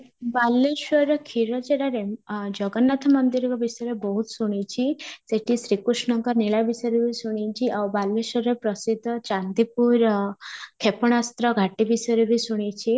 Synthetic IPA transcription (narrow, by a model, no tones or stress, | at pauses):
balːeswɔɾɔkʰiɾɔd͡ʒeɽaɾed͡ʒɔɡɔnːat̪ʰɔmɔnd̪iɾɔkɔbisɔjɾebɔɦut̪suɽ̃it͡ʃʰiseʈʰisɾikɾusɳɔŋkɔɾniɭabisɔjɾebisuɽ̃it͡ʃʰiʔawbalːesɔɾepɾɔsid̪ʱːɔt͡ʃand̪ipuɾ | kʰepɔɽ̃ast̪ɾɔɡʱaʈibisɔjɾebisuɽ̃it͡ʃʰi